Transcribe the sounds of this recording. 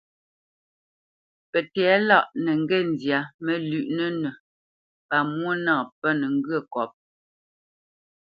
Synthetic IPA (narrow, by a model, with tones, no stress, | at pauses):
pɛ˨tɛː˨˦la˦˨ʔnɛ˨ŋ˦ɡɛ˦˨n˨dja˨mə˦lʉ˨ʔnə˦nə˨ | pa˨mwo˦nãː˦˨pə˦nə˨ŋ̩˦ɡɰə˦˨kɔ˨p̚